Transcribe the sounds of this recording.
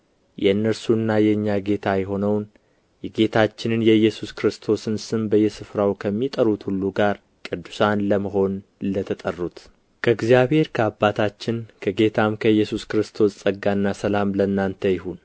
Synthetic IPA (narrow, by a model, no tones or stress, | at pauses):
jɛɨnːəɾsuɨnːajɛɨɲːaɡe̞t̪ʰajɛɦo̞nəwn | jɛɡe̞t̪ʰat͡ʃːɪnɨnjɛjːɛsuskɾɨst̪ʰo̞sɨnsɨmbəjɛsɨfɾawkʰəmːit̪ʼəɾut̪hulːuɡaɾ | kʼɨd̪ːusanləməɦo̞nlət̪ʰət̪ʼərːut̪ | kʰəɨɡzjaβhe̞ɾkʰəabːat̪ʰat͡ʃːɪnkʰəɡe̞t̪ʰamkʰəjːɛsuskɾɨst̪ʰo̞ssʼəɡːanːasəlamlənːant̪ʰəjɪɦun